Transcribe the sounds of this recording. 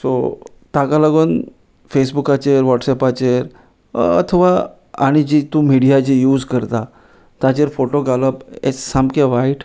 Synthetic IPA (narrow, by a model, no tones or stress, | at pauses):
so | t̪akaləɡoːn | fesbukat͡ɕeɾʋɔʈsɛpat͡ɕeɾ | ə̰t̪ʰəʋa | a̰ɽ̃id͡ʑit̪ũmiɽijad͡ʑijuːd͡zkəɾt̪a | t̪at͡ɕeɾfoʈoɡaləpḛt͡ssamkeʋaiʈ